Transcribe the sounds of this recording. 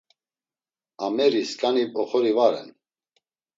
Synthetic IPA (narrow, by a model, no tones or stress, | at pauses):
amɛɾiskʼanipʼɔχɔɾivaɾɛ̰n